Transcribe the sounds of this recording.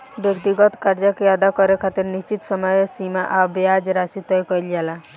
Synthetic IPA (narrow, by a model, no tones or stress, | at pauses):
bjəkt̪iɡɔt̪kaɾd͡ʒakejad̪akɔɾekʰat̪iɾnist͡ʃit̪səmɔjesimaʔabead͡ʒɾasit̪ɔjkɔjld͡ʒala